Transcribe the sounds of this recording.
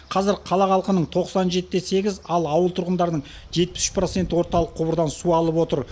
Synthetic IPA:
qʰɑzɪɾqʰɑlˠɑqɑlˠqənəɴt̪ʰo̞qsɑnʒe̞t̪ɪːese̞ɡʲɪzɑlˠɑwəlˠt̪ʰʊɾʁənd̪ɑɾnəɴ | ʒe̞t̪̚pɪ̥sʏʃpɾo̞t̪se̞nt̪ɪwo̞ɾt̪ɑlˠəqʰːʊbəɾd̪ɑnsuɑlˠəpwo̞t̪əɾ

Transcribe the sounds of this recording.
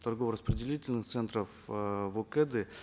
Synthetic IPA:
t̪ɐrɡovɾəspɾʲɪdʲɪlʲitʲɪlʲnɨxt̪sɛnt̪ɾəfvokɛd̪ɨ

